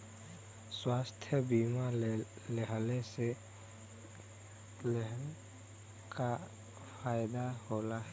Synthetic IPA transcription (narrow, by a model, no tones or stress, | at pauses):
swaːst̪ʰjəbima | lɛɦlese | l | ka | pʰaːjd̪aholaɦɛ